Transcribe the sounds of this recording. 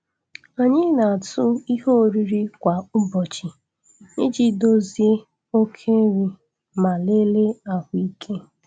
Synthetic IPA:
o˨ɲɪ˦na˨tʊ˦i˦ɦo˦˨ɾi˦ɾi˦kʷa˨ʊ˦bɔ˨t͡ʃi˨ | nɪ˦d͡ʒi˦do˦zi˦e˦ | o˦kʰe˦ɾi˦ | ma˨le˦le˦a˦hʊ˨˦i˦kʰe˦

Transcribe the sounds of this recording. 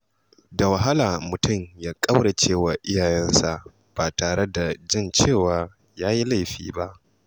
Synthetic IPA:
da˨wa˨ɦa˦laː˨mʊ˨tʊ˦˨mjaː˦kʼɐ˦wɽa˨t͡ʃeː˦˨wa˨ʔɪ˦jaː˨jɛ˦nsa˨ʔ | b̥aː˨taː˨ɽe˦da˨d͡ʒɪ˦˨nt͡ʃeː˦˨waː˦ | jaː˦ji˦la˦˨jɸḭː˦ba˦ʔ

